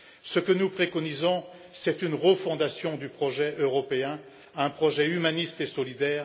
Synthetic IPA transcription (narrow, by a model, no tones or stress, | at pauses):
səkənupχekɔnizɔ̃ | sɛt̪ynʁəfɔ̃d̪asjɔ̃d̪ypχɔʒɛʔøʁɔpeɛ̃ | aɛ̃pχɔʒɛymanist̪esɔlid̪ɛːʁ